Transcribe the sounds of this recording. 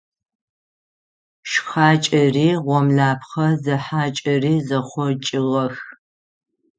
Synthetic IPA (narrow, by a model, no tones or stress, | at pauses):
ʃxaːt͡ʃʼɐriːʁʷɔmɮaːpʰχɐzɐħaːt͡ʃʼɐriːzɐχʷɔt͡ʃʼɪʁɐx